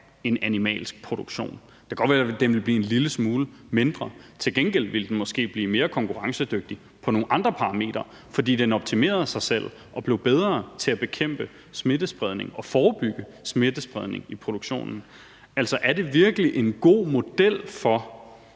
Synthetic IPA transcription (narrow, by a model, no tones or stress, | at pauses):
e̝nænimɛ̰ːlsɡ̥̚pʰʁo̝d̥uɡ̥ɕo̝̰ːn | d̥eɡ̥ɒ̥ʋæːɐd̥emʋe̝lb̥liːe̝nliləsmuːləme̝nd̥ʁɐt͡sʰe̝lɡ̥enɡ̥el̰ʋe̝ld̥en̩mɒ̽sɡ̥e̝̰ːb̥liːme̝ːɐkʰɒ̽ŋkʰuʁɑ̈ŋsəd̥øɡ̥̚d̥i | pʰɒ̽no̝ːn̩ʔɑ̈nd̥ʁɐpʰɑ̈ʁɑ̈me̝̰ːd̥ɐ | fɒ̽d̥ḭːd̥enɒ̽b̥̚t͡sʰime̝̰ːɐð̞̩ˠsɑ̈ɪsel̰ | ʔɒ̽b̥le̝ʊb̥eð̞ˠʁɐːt͡sʰe̝æb̥e̝kʰem̰b̥ə | sme̝d̥əsb̥ʁɛð̞ˠne̝ŋɒ̽fɒːb̥yɡ̥əsme̝d̥əsb̥ʁɛð̞ˠne̝ŋipʰʁo̝d̥uɡ̥ɕo̝̰ːnn̩ | æl̰sɒ̽ʔæɐde̝ʋiɐɡ̥əliʔe̝nɡ̥o̝̰ːmo̝d̥el̰fɒ̽